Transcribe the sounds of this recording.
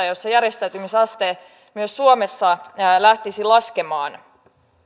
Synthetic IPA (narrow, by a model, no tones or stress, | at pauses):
ɑjosːɑjæɾjest̪æyt̪ymisɑst̪e | myøsːuome̞sːɑlæht̪isilɑske̞mɑːn